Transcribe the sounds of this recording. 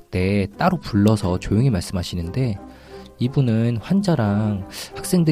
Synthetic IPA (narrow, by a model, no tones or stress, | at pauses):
t͈e̞t͈aɾopuɭːʌsʰʌt͡ɕojoŋimaɭs͈ɯmɦaɕʰinɯnde̞ | ibunɯnɸwand͡ʑaɾaŋhak̚s͈e̞ŋdɯ